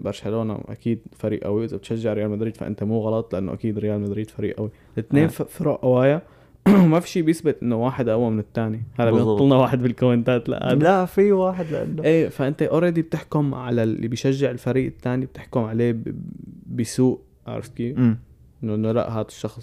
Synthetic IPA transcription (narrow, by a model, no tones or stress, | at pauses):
bɑɾˤʃaloːna̰ʔa̰kiːd̪faɾḭːʔa̰wiʔɪzabɪt̪ʃaʒːɪʕɾɪjaːlmad̪ɾiːd̪̥fa̰ʔɪ̰nt̪amuːɣɑlɑt̪ˤlɪʔanːo̰ʔakiːd̪ɾɪjaːlmad̪ɾiːd̪̥faɾiːʔʔawi | lɪt̪neːnffɾˤoːʔʔawaːja | wmafi̥ːʃiːbjɪsbɪt̪ʔɪnːowaːħɪd̪ʔawːamɪnɪt̪ːaːnihaːd̪abjɪˤɑlnɑwaːħɪd̪bɪlkomɪnt̪aːt̪la̰ʔa̰laʔfiwaːħɪd̪lʔa̰nːoʔeːfaʔɪnt̪aʔɑɾˤd̪ib̚t̪ɪħkʊmʕalaḭbɪjʃaʒːɪʕɪlfaɾiːʔɪt̪ːaːnib̚t̪ɪħkʊmʕaleː | bɪsuːʔ | ʔa̰ʕɾˤɪ̰ftki | ʔɪnːoʔɪnːola̰ʔɦaːd̪ḁʃːɑxsˤ